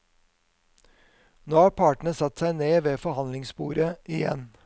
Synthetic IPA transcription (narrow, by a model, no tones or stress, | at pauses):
noːhɑːpʰɑːʈɳ̩əsɑt̪sæɪneːʋeːfɔhɑnlɪŋspṵːɾəʔɪjɛ̰n